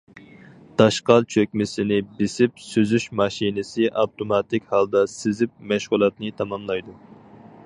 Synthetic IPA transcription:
d̪̥ɑʃqɑlt͡ʃʰøkʲmɪsɪnɪbɪsɪp̚søzyʃmɑʃinɪsɪʔɑwt̪ʰomɑt̪ɪkʲhɑlˠd̪ɑsɪzɪp̚mɛʃʁulˠɑt̪nɨt̪ʰɑmɑmlˠɑjd̪u

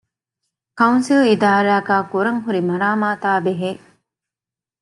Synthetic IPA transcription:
kɐunsilid̪aːɾaːɡaːkuɾɐŋɦuɾimɐɾaːmaːt̪aːbeɦeː

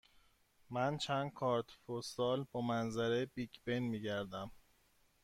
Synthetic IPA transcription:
mænt͡ʃʰænd̪̥̚kʰɒːɾt̪fosɒːlbɒːmænzæɾebiːɟbenmiːɟæɾd̪æm

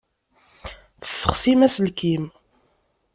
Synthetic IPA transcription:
θə̥sːə̥̰χsimæsəlkim

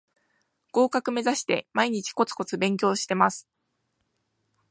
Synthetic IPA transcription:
ɡ̥o̞ːkakɯ̟me̞zaɕi̥t̪e̞̰maiɲ̟it͡ɕi̥ko̞t͡sɨ̥ko̞t͡sɨbẽ̞ŋk̬ʲo̞ːɕi̥t̪e̞masɨ̥

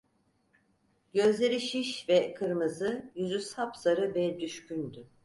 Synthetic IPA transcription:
ɡø̞zlʲe̞ɾiʃiʃvɛkʰɯɾmɯzɯjyzysapsaɾɯvɛd̪yʃcynd̪y

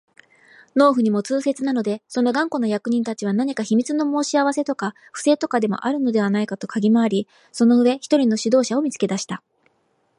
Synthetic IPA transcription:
no̞ːɸɯ̟ɲ̟imo̞t͡sɨːse̞t͡sɨnano̞d̪e̞so̞no̞ɡãŋko̞no̞jakɯ̟ɲ̟ĩnt̪at͡ɕiβ̞anaɲ̟ikaçimʲit͡sɨno̞mo̞ːɕiaβase̞t̪o̞ka | ɸɯ̟̥se̞ːt̪o̞kad̪e̞mo̰ʔaɾɯ̟no̞d̪e̞βanaikat̪o̞kʰaɡʲimaːɾʲi | so̞no̞ɯ̟βe̞çi̥t̪o̞ɾʲino̞ɕid̪o̞ːɕaomʲit͡sɨ̥ke̞d̪aɕi̥t̪a

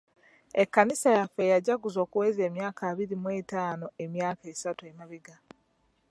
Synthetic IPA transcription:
ekːanisajafejaɟaɡuzo̞ːkuweːze̞ːmjaːkaːβiɾimwe̞ːtaːno̞emjaːkaesatuemaβiɡa

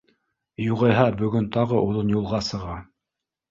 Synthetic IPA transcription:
juʁɤ̆jɦɑbɵ̆ɡɵnt̪ɑʁɤʔuðɤnjulˠʁɑsɤ̆ʁɑ

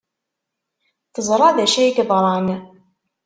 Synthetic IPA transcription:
θəzˤɾˤɑðæʃæjkbˤɑɾˤɑn

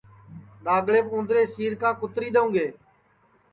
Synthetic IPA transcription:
ɗaːɡɭeːpõːnd̪ɾeːsiːɾkãːkʊt̪ɾiːɗ̪əũːɡeː

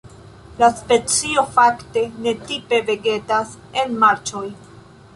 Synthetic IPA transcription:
laspe̞t͡sio̞fakte̞ne̞tipe̞ve̞ɡe̞tas | e̞nmaɾt͡ʃo̞j

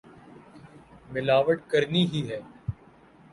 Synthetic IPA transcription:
mɪlaːʋəʈkəɾniɦiɦɛː

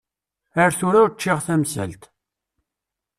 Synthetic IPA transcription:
əɾθʊɾæɾt͡ʃːɪʁθæmsæ̰lt̪

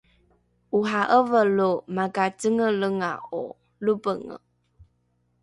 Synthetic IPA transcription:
ʔuɦaʔəvəlumaɡat͡səŋələŋa̰ʔu | lubəŋə̰

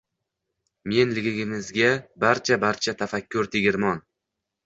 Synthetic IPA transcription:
me̞nlɪɡʲɪɡʲɪmɪzɡʲabaɾt͡ʃʰabaɾt͡ʃʰat̪ʰafakʲʰːʊɾt̪ʰɪɡʲɪɾmɒn

